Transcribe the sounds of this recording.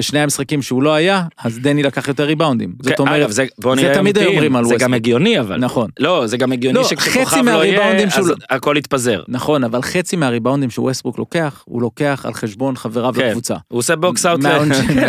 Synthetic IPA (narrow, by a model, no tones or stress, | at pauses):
beʃne̞jamisχakimʃeulo̞ajaazd̪enilakaχjot̪̬eʁːibawnd̪imzotomeʁevzeboniet̪amid̪aomʁimalwzeɡameɡjoniava̰lnaχo̞nlozeɡameɡjonloiʃeχet͡simeaaʁibawnd̪imʃeuakolit̪̚pazḛʁnaχo̞navalχet͡simeaʁibawnd̪imʃewesbuklo̞ke̞aχhṵlo̞ke̞aχa̰lχeʃbo̞nχaveʁavlakvut͡sa̰uoseboksawmoʃ